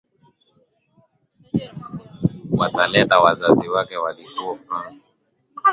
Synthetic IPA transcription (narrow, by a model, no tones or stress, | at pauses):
watalɛtawazaziwakɛwalikuɔfa